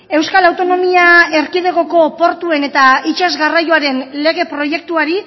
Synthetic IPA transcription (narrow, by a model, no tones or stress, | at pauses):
e̞wskalawt̪o̞no̞miae̞ɾkiðe̞ɣo̞ko̞po̞ɾt̪ue̞ne̞t̪ait͡ʃazɣarajoaɾe̞nle̞ɣ̞e̞pɾo̞je̞k̚t̪uaɾi